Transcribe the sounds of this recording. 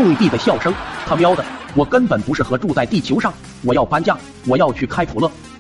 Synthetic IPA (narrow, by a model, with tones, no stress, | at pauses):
ʊ˥˧ŋi˧t̪i˥˩d̪ə˩ɕjɑ˥˩ʊʂɤ˥ŋt̪ʰa˥mjɑ˥ʊd̪ə˨˩wɔ˨˩kə˥npə˨˩npu˧˥ʂɻ̩˥˩xɤ˧˥ʈ͡ʂu˥˧t͡sa˥˧ɪt̪i˥˩t͡ɕʰjo˧˥ʊʂɑ˥˩ŋ | wɔ˨˩jɑ˥˩ʊpa˥nt͡ɕjɑ˥˩ŋ | wɔ˨˩jɑ˥˧ʊt͡ɕʰy˥˩kʰa˥ɪpʰu˨˩lɤ˥˩